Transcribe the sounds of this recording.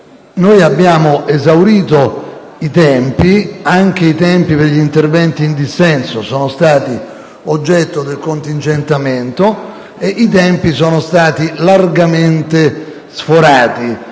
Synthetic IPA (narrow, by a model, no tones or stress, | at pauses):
nojabːjaːmoʔezawɾiːt̪o | it̪ɛmpiaŋk̟eit̪ɛmpiperʎint̪ervɛnt̪iːnd̪isɛnsosɔːnost̪aːt̪i | od͡ʒːɛt̪ːod̪elkont̪int͡ʃent̪ament̪o | eʔit̪ɛmpisɔːnost̪aːt̪ilarɡament̪e | sfoɾaːt̪i